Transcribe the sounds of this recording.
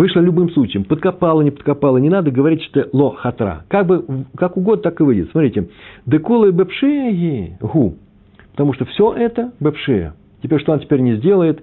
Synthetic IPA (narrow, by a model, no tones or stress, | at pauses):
vɨʂlˠəlʲʊbɨmslˠut͡ɕɪjəmpət̪̚kɐpalˠənʲɪpə̥t̪̚kɐpalˠənʲɪnad̪əɡəvɐɾʲitʲt̪əlˠoxɐt̪ɾa̰kaɡ̚bɨkakʊɡod̪ət̪akɨvɨdʲɪt̪ʲsmɐt̪ɾʲitʲɪd̪ɨkulˠəbɛpʂɨəjʲiɣu | pə̥t̪ɐmuʂt̪ofsʲoʔɛt̪əbɛpʂɨɛ̰ | tʲɪpʲeɾʲʂt̪oɐntʲɪ̥pʲeɾʲnʲɪzʲdʲe̞lˠəjɪt̪